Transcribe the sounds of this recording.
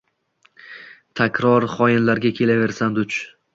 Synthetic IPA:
t̪ʰakʲɾɒɾχɒjɪnlaɾɡʲakʲʰe̞lave̞ɾsand̪ʊt͡ʃ

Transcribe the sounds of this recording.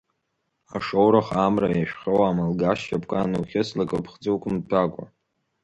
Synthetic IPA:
aʂowɾaχamrajaʃᶣχʲowamalɡaʃt͡ʃapʰʼkʼanuχʲɪslakʼɨpʰχd͡zuwkʷʰʼʊmtʰakʷʼa̰

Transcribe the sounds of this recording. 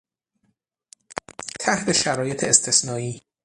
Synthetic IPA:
t̪ʰæht̪ʰe̞ʃæɾɒːje̞t̪ʰeːst̪ʰe̞snɒːiː

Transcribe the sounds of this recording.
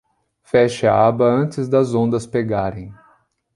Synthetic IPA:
fɛʃɪɐ̰abɐɐ̃nt͡ʃɪzd̪ɐzõnd̪ɐspeɡaɾẽj̃

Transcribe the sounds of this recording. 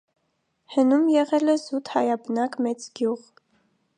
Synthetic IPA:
hənumjɛʁɛlɛzut̪hɑjɑbənɑkmɛt͡sɡjuʁ

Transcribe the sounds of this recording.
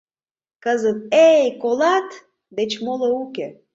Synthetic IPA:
kəzɨt̪̚ejkolˠat̪ | d̪et͡ʃmoləukʲe

